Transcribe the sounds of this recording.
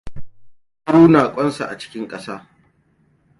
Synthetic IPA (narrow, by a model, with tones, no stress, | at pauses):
suː˦naː˨kʷʼɔ˦nsa̰˨ʔa̰˨t͡ʃɪ̥˦kʲɪ˦ŋkʼɐ˦saː˦